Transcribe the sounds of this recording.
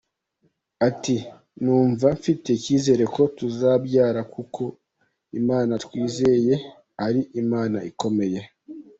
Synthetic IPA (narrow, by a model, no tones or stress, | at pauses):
ati | nuːɱvaɱfite̞ciːze̞ːɾe̞ko̞tuzabɟaːɾakukʰo̞ | imaːnatwiːze̞je̞ | aɾiʔimaːnaʔiko̞me̞je̞